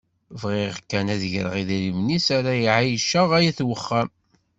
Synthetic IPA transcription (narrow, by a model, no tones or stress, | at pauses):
vʁiʁkːænæðʝɾə̰ʁiðiɾimnisæɾæjiʕajʃəʁæjæθwəχːæm